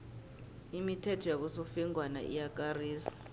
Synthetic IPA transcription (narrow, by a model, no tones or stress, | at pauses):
imitʰɛtʰɔjak̬usofiŋwana̰ʔḭjak̬ʼariːsi̥